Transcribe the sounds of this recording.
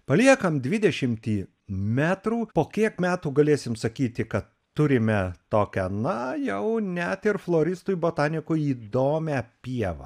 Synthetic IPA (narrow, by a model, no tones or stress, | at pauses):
pɐlʲiɛkɐmd̪ʲʋʲɪd̪ʲɛʃʲɪmʲt̪ʲiː | mʲæːt̪ɾuːpoːkʲiɛkmʲæːt̪uːɡɐlʲeːsʲɪmsɐkʲiːt̪ʲɪkɐt̪ːʊɾʲɪmʲɛt̪oːkʲɛnɐjɛʊnʲɛt̪ɪɾflˠoːɾʲɪst̪ujboːt̪ɑːnʲɪkʊiːd̪oːmʲæpʲiɛʋɐ̰